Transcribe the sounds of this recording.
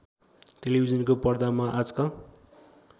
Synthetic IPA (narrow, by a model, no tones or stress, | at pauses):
t̪elibʱizʌnkopʌrd̪amaʔad͡zʌkʌ